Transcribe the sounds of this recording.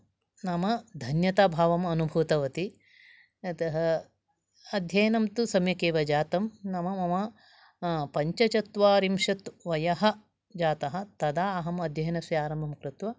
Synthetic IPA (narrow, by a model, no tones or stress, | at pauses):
nɐmɐd̪ʱɐnjɐt̪aːbʱaːʋɐmɐnubʱuːt̪ɐʋɐt̪i | t̪ɐɦɐ | ɐd̪ʱjɐjɐnɐmt̪usɐmjɐkeːʋɐd͡ʒaːt̪ɐmnɐmɐmɐmɐ | pɐɲt͡ʃɐt͡ʃɐt̪ʋaːɾimʃɐt̪ʋɐjɐɦɐ̆ | d͡ʒaːt̪ɐɦɐ̆t̪ɐd̪aːɐɦɐmɐd̪ʱjɐjɐnɐsjaːɾɐmbʱɐmkɾɪt̪ʋɐ